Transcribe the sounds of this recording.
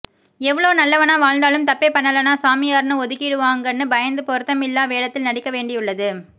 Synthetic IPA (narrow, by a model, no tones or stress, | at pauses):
ɛʋːɐɭoːnɐlːɐʋɐnaːʋaːɻnd̪aːlɯmt̪ɐpːɛpɐɳːɐlɐnaːsaːmɪjaːɾnɯɔðɯkːɪɽɯʋaːŋɡɐnːɯbɐjɐnd̪ɯpɔɾɯt̪ːɐmɪlːaːʋeːɽɐt̪ːɪlnɐɽɪkːɐʋeːɳɖɪjɯɭːɐðɯ